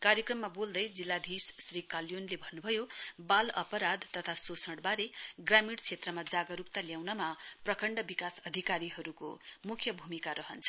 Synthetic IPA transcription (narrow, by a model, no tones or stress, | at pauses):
kaɾjʌkrʌmːabold̪ʌjd͡zilːad̪ʱissrikaljonlebʱʌnːubʱʌjobalʌpʌɾad̪t̪ʌt̪ʰasosʰʌɽbaɾeɡramiɽt͡sʰet̪rʌmad͡zaɡʌɾukt̪aljawnʌmaprʌkʌɳɖʌbikasʌd̪ʱikaɾiɦʌɾuko̰mukʰjʌbʱumikaɾʌɦʌnt͡sʰʌ̥